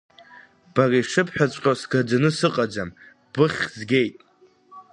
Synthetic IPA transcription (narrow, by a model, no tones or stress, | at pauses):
b̥ariʂɨpʰħᶣat͡sʷʼqʲʼasɡad͡ʒanɨsɨqʼad͡ʒam | b̥ɨχʲzɡʲe̞jtʼ